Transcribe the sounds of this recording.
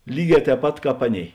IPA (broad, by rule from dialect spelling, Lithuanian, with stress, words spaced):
ˈlʲiːˌɡʲɛː tʲɛːp ˈpɐt ˈkɑːp ˈɑːˌnʲeːɪ